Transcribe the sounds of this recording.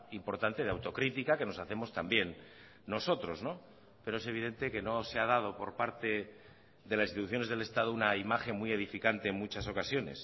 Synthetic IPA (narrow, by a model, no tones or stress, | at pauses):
impo̞ɾt̪ant̪e̞ðeawt̪okɾit̪ikake̞no̞saθe̞mo̞st̪ambje̞nː | o̞so̞t̪ɾo̞zno̞ | pe̞ɾoe̞se̞β̞ið̞e̞nt̪e̞ke̞no̞seað̞að̞o̞po̞ɾpaɾt̪e̞ | ðe̞lasist̪it̪uθjo̞ne̞zð̞e̞le̞st̪að̞ounaimaxe̞mwie̞ð̞ifikant̪e̞ːŋmut͡ʃaso̞kasjo̞ne̞̰s